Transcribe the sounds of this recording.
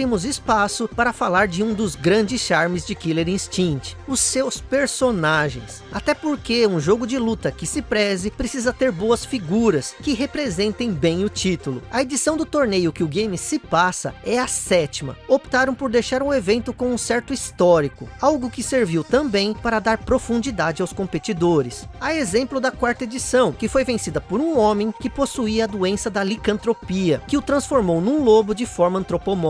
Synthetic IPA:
bɾĩmʊzɪspasʊpaɾɐfalaɾd͡ʒɪũd̪ʊzɡɾɐ̃d͡ʒɪsʃaɾmɪzd͡ʒɪkileɾĩst͡ʃĩt͡ʃɪ̥ʊsːewspeɾsonaʒḛ̃j̃s | at̪ɛpoɾkeũʒoɡʊd͡ʒɪlut̪ɐkɪsɪpɾɛzɪpɾesizɐt̪eɾboɐsfiɡuɾɐskɪɦepɾezẽnt̪ẽj̃bẽj̃ʊt͡ʃit̪ʊlʊ̰ɐed͡ʒisɐ̃w̃d̪ʊt̪oɾnejʊkɪʊɡẽjmɪsɪpasɐɛɐsɛt͡ʃimɐ̰opt̪aɾɐ̃w̃poɾd̪ejʃaɾũevẽnt̪ʊkõũsɛɾt̪ʊist̪ɔɾikʊawɡʊkɪseɾviwt̪ɐ̃mbẽj̃paɾɐd̪aɾpɾofũnd͡ʒid̪ad͡ʒɪawskõmpet͡ʃid̪oɾɪsɐezẽmplʊd̪ɐkwaɾt̪ɐed͡ʒisɐ̃w̃kɪfojvẽsid̪ɐpoɾũõmẽj̃kɪposuiɐd̪uẽsɐd̪ɐlikɐ̃nt̪ɾopiɐkɪʊt̪ɾɐ̃sfoɾmownũlobʊd͡ʒɪfɔɾmɐɐ̃nt̪ɾopomɔ

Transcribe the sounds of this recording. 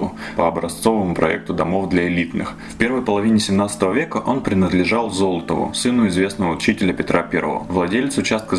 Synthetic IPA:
ʊ | pəɐbɾɐst̪so̞vəmʊpɾʔɐ̰ɛ̰k̚t̪ʊd̪ɐmo̞vd̪lʲɐɪlʲit̪nɨ̰x | fpʲe̞rɾvəjpəlˠɐvʲinʲɪsʲɪmnat̪sət̪əvəvʲe̞kəʔo̞npɾʲɪnəd̪lʲɪʐalˠzo̞lˠət̪əvʊ̰sɨnʊɪzvʲe̞snəvəʊt͡ɕitʲɪlʲəpʲɪt̪ɾʔapʲḛɾə̰vəvlˠɐdʲelʲt̪səʊt͡ɕast̪̚kə

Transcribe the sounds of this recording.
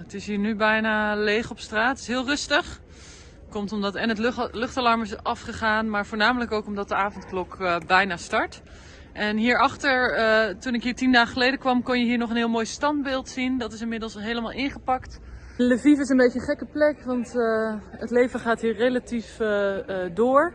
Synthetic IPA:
ətɪsɦiːɹnybɛjnaːlejχɔpstraːtɪ̥sɦɪːlˠrɵstəχ | kɔmtɔmdɑtɛnətlɵχtalɑɹmɪsʔɑfχəχaːnmaːɹv̥oːɹnaːmələkowkɔmdɑt̚dəaːvɔntklɔkbɛjnaːstɑɹt | ʔɛnɦiːɹɑχtəɹtunɪkɦiːɹtindaːχəχəlejdəkʋɑmkɔnjəɦiːɹnɔχənɦɪːlˠmoːjstɑnd̚bɪːlˠtsindɑtɪs̬ɪnmɪdəlˠsɦejləmaːlˠʔɪnχəpɑkt | ləvifɪsənbejəχɛkəplɛkʋɑnt | ətlejvəχaːtɦiːɹrejlatif | dʊːɹ

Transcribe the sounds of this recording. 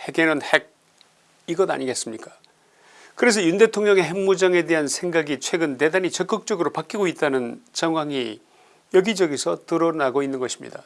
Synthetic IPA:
he̞ɡe̞nɯnhe̞ɡ̚ | iɡʌda̰ɲiɡe̞s͈ɯmɲik͈ḁ | kɯɾe̞s̬ʰʌjunde̞tʰoŋɲʌŋe̞ɦeŋmud͡ʑaŋe̞de̞ɦansʰe̞ŋɡaɡit͡ɕʰwe̞ɡɯnte̞danit͡ɕʌk͈ɯk̚t͡ɕ͈ʌɡɯɾopak͈iɡoit̚t͈anɯnt͡ɕʌŋɦwaŋi | jʌɡid͡ʑʌɡisʰʌtɯɾʌnaɡoinːɯnɡʌɕʰi̥mɲḭda

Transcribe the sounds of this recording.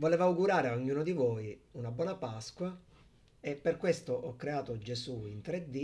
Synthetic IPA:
voleːvauɡuɾaːɾeaoɲːuːnod̪ivojunabwɔːnapaskwa | epːerkwest̪oʔɔkːɾeaːt̪od͡ʒesuint̪ɾed̪ːi

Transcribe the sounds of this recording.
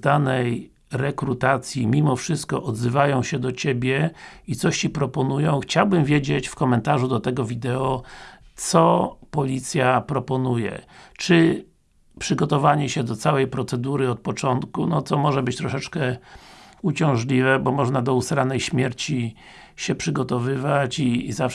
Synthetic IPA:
d̪anɛj | ɾɛkɾut̪at̪sʲjimʲimɔfʂɘst̪̚kɔʔɔd̪zɘvajɔ̃w̃ɕɛd̪ɔt͡ɕebʲjɛit̪sɔɕt͡ɕipɾɔpɔnujɔ̃w̃xt͡ɕawbɘmvʲjed͡ʑet͡ɕfkɔmɛnt̪aʐud̪ɔt̪ɛɡɔvʲid̪ɛɔt̪sɔpɔlʲit̪sʲjapɾɔpɔnujɛ̰t͡ʂɘ | pʂɘɡɔt̪ɔvaɲɛɕɛd̪ɔt̪sawɛjpɾɔt̪sɛd̪uɾɘɔt̪̚pɔt͡ʂɔnt̪kunɔt̪sɔmɔʐɛbɘt͡ɕt̪ɾɔʂɛt͡ʂkɛ | ut͡ɕɔ̃w̃ʐlʲivɛbɔmɔʐnad̪ɔusɾanɛjɕmʲjɛɾt͡ɕi | ɕɛpʂɘɡɔt̪ɔvɘvat͡ɕizaf

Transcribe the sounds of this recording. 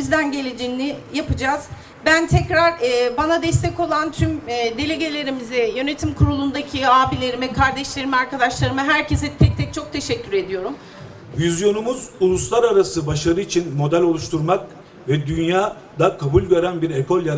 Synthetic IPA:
izd̪ænɟe̞lʲid͡ʒinːijapɯd͡ʒaːz̥ | bænt̪ʰɛcɾaɾɯːbanad̪ɛst̪ʰɛco̞lˠant̪ʰymːd̪e̞lʲe̞ɟe̞lʲe̞ɾimizɛjø̞ne̞t̪ʰimkʰuɾulˠund̪acʰiaːbilʲe̞ɾimɛkʰaɾd̪ɛʃlʲe̞ɾimiaɾkad̪aʃlˠaɾɯmɯɦæɾces̬ɛt̪ʰɛc̚t̪ʰɛc̚t͡ʃʰo̞k̚t̪ʰe̞ʃɛcʰːyɾe̞d̪ijo̞ɾum | vizjo̞numuzulˠuslˠaɾaɾasɯbaʃlaɾɯit͡ʃʰinmo̞d̪ælʲo̞lˠuʃt̪ʰuɾmak̚ | vɛd̪ynjaː | d̪akʰabulʲveɾænbiɾekʰolʲjaɾ

